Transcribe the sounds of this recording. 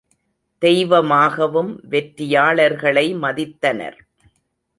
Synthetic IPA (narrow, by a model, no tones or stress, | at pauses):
d̪̥ɛjʋɐmaːɣɐʋɯmʋɛʈɾɪjaːɭɐɾɣɐɭɐɪmɐðɪt̪ːɐnɐ̰ɾ